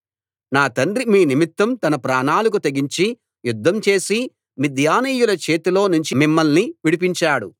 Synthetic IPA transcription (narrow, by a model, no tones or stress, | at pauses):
naːt̪ɐnɖɾimiːnimit̪ːɐmt̪ɐnɐpɾaːnaːlɐk̬ut̪ɐɡiɲt͡ʃi | jud̪ʱːɐmt͡ʃe̞ːsi | mid̪ʱjaːniːjulɐt͡ʃe̞ːt̪ilo̞ːnuɲt͡ʃimimːɐlniʋiɽip̬iɲt͡ʃaːɽṵ